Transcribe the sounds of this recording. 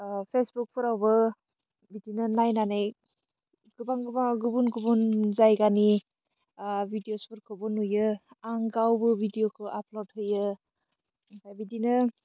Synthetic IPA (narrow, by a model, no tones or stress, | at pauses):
pʰesbuk̚pʰɯɾawbɯ | bidinɯnajnanaj | ɡ̥ɯbaŋɡɯbaŋɡubunɡubunzajɡani | bʱidiospɯɾkʰɔbɔnujɯaŋɡawbɯbidijokʰɯʔaplod̚ɦɯjɯ | pʰajbidinɯ